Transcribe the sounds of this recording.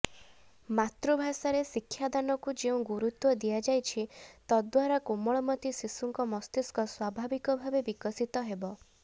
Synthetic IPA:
mat̪ɾubʱasaɾesikʰːjad̪anɔkud͡ʒeũɡuɾut̪wɔd̪ijad͡ʒajt͡ʃʰit̪ɔd̪waɾakumɔɭɔmɔt̪isisuŋkɔmɔst̪iskɔswabʱabikɔbʱabebikɔsit̪ɔɦebɔ

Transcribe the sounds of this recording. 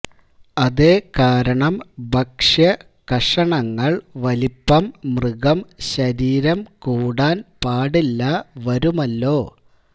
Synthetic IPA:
ɐðeːkaːɾɐɳɐmbʱɐkʂjɐ | kɐʂɐɳɐŋːɐɭʋɐlipːɐmːrɨɣɐmɕɐɾiːɾɐmkuːɽaːnpaːɽilːɐʋɐɾumɐlːo̞ː

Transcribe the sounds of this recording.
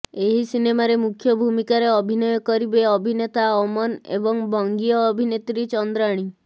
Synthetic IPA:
eɦisinemaɾemukʰjɔbʱumikaɾeɔbʱinɔjɔkɔɾibeɔbʱinet̪aɔmɔnḛbɔŋbɔŋɡiɔːbʱinet̪ɾit͡ʃɔnd̪ɾaɽ̃i

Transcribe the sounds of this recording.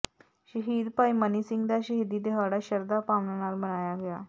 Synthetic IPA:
ɕəɦid̪paimənisiŋɡd̪aɕəɦid̪iːd̪eɦaɽaɕəɾd̪apamnənaɾmənajaɡja

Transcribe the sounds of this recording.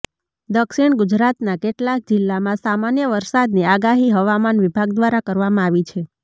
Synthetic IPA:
d̪əkʃiɳɡʊd͡ʒɾat̪nakeʈlak̚d͡ʒɪlːamãsamanjəʋəɾsad̪niaɡaɦiɦəʋamanʋibʱaɡd̪ʋaɾakəɾʋamãaʋit͡ʃʰe

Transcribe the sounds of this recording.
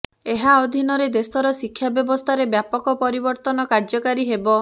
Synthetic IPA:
eɦaɔd̪ʱinɔɾed̪esɔɾɔsikʰːjabjɔbɔst̪ʰaɾebjapɔkɔpɔɾibɔɾt̪ɔnɔkaɾd͡ʒɔkaɾiɦebɔ

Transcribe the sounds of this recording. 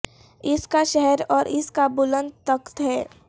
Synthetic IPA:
ɪskaʃɛɦɛɾɔːɾɪskabʊlə̃nd̪̚t̪əkt̪ɦɛː

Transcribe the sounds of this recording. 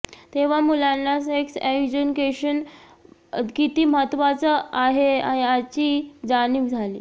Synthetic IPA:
t̪eʋ̤amulanːaseksekd͡ʑənkeɕən | kit̪iːmɦət̪ʋat͡səaɦeaɦat͡ɕiːd͡zaniːkd͡zʱalḭː

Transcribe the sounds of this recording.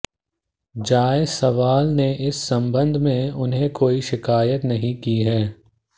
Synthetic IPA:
d͡ʒaːesɐʋaːlneɪsːɐ̃mbə̃nd̪ʱmẽʊnɦẽkoːiʃɪkaːjət̪nɐɦĩkiɦɛː

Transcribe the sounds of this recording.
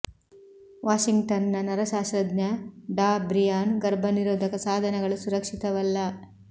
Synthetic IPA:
ʋaːʃiŋɡʈɐnːɐnɐɾɐʃaːʃɾɐd̪nɐɖaːbɾijaːnɡɐɾbʱɐniɾoːd̪ʱɐkɐsaːd̪ʱɐnɐɡɐɭusuɾɐkʂit̪ɐʋɐlːɐ

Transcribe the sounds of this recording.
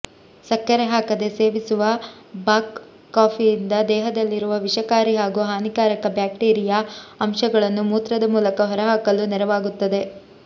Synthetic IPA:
sɐkːɐɾeɦaːkɐd̪e̞se̞ːʋisuʋɐ | baːkː | aːpʰijːnd̪ɐd̪ɛːɦɐd̪ɐlːiɾuʋɐʋiʂɐkaːɾiɦaːɡuɦaːnikaːɾɐkɐbjaːkʈeːɾijaɐmʃɐɡɐɭɐnːumuːt̪ɾɐd̪ɐmuːlɐkɐɦɔɾɐɦaːkɐlunɛɾɐʋaːɡut̪ːɐd̪e̞

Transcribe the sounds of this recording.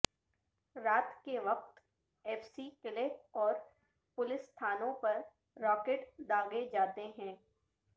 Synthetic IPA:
ɾaːt̪keʋɐq̚t̪ | ɛːfsikɪleːɔːɾ | pʊlɪsːt̪ʰaːnõpɐɾː | ɔːkeːʈd̪aːɡed͡ʒaːt̪eɦɛ̃ː

